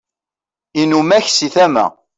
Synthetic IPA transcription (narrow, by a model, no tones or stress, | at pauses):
inumæçsiθæmæ̰